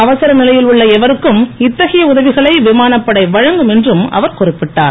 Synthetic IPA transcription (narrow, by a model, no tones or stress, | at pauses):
ɐʋɐsɪɾɐnɪlɐjɪlʊɭːɐɛʋɐɾɯkːɯmɪt̪ːɐɣɐjɐʊðɐʋɪɣɐɭɐɪʋɪmaːnɐpːɐɽɐɪʋɐɻɐŋɡɯmɛndrɯmɐ̰ʋɐɾkɔrɪpːɪʈːa̰ːɾ